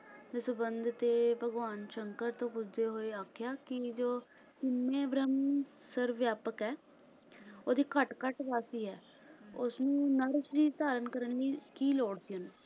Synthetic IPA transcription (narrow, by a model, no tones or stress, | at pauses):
t̪esʊbənd̪ʱt̪eːbʱəɡʋaːnʃəŋkəɾt̪õːpʊd͡ʒd͡ʒeːɦoːeːaːkʰjaːkɪd͡ʒoː | t͡ʃɪmːẽːbɾəmsəɾʋjaːpəkɦɛː | oːd̪iːkəʈkəʈʋaːsiːɦɛː | ʊsnũːnəɾsd͡ʒiːt̪aːɾənkəɾənliːkiːloːɽsioːñː